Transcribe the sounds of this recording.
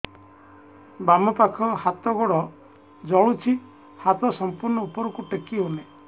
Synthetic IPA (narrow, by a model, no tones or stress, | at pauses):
bamɔpakʰɔhat̪ɔɡɔɽɔ | d͡ʒɔɭut͡ʃʰi | hat̪ɔsɔmpuɾnɔupɔɾɔkuʈekiɦone